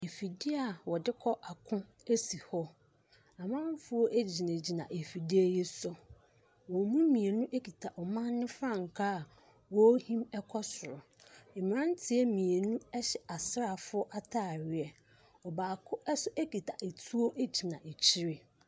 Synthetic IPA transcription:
e˨fi˨dɪ˦a˨wɔ˨dɪ˦kʰɔ˦ʔa˨kʰʊ̃˦ | e˦si˨hɔ˦ | a˨mã˦m˦fʊ˦o˦ʔæ˦d͡ʑi˨nẽ˨d͡ʑi˨nã̰˨ʔe˨fi˨dɪ˦æ˦je˦sɔ˦ | wɔ˨mũ˦mĩ˨e˨nũ˦ʔe˦ki˨tʰa˨ʔɔ˨mã˦nːʊ̃˦fɾã˦˨ŋ˨kʰa˦˨ | wɔ˦hĩ˦mɛ˦kʰɔ˦sʊ˨ɾʊ˨ | ɪ˨m˨ɾã˦n˦tʰɪ˦ɛ˦mĩ˨e˨nũ˦ɛ˦ɕɛ˨a˨sɪ˦ɾa˨fʊ˦ɔ˦ʔa˦tʰaː˦˨ɾɪ˨ɛ˨ | ɔ˨baː˨kʰʊ˦ʔɛ˦sʊ˦ʔe˦ki˨tʰa˨ʔe˨tʰu˦o˦ʔe˦d͡ʑi˨nã˨ʔe˨t͡ɕʰi˦ɾe˨

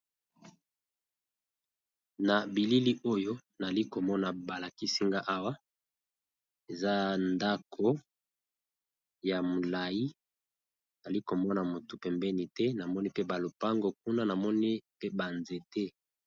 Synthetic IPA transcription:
na˨bi˨li˦li˦ʔo˦jo˦na˨li˦ko˨mɔ˦na˨ba˨la˨ki˦si˦ŋɡa˦ʔa˦wa˦ | e˨za˦nda˦kʰo˦ | ja˨mo˨la˨ji˦ | na˨li˦ko˨mɔ˦na˨mo˨tu˨pɛ˨mbɛ˦ni˨tɛ˦na˨mɔ˦ni˦pe˦ba˨lo˨pa˦ŋɡo˦˨k̚u˦na˦na˨mɔ˦ni˦pe˦ba˨nze˨tɛ˦

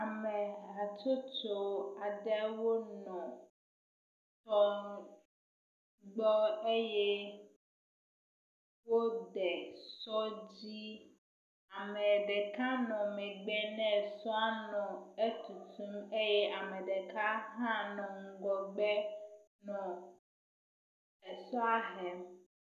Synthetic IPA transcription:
a˨mɛ̃˨a˨t͡ʃo˦t͡ʃo˦a˨ɖɛ˦wo˦nɔ̃˨ | t̪ɔ˦ | ɡ͡bɔ˦e˦jɛ˦ | wo˦ɖɛ˨sɔ˦d͡ʑi˦ | a˨mɛ̃˨ɖɛ˨ka˦nɔ̃˨mɛ˨ɡ͡bɛ˦nɛ̃˦˨sɔ˦a˦nɔ̃˨e˦t̪u˨t̪ʰũ˦me˦jɛ˦ʔa˨mɛ̃˨ɖɛ˨ka˦ɦã˦nɔ̃˨ŋ̩˦ɡɔ˨ɡ͡bɛ˦ | nɔ̃˨ | ɛ˨sɔ˦a˦ɦɛ˨

